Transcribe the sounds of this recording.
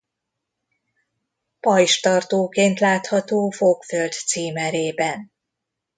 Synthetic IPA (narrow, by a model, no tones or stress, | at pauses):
pɒjʃt̪ɒrt̪oːkeːnt̪laːt̪hɒt̪oːfokføld̪siːmɛɾeːbɛn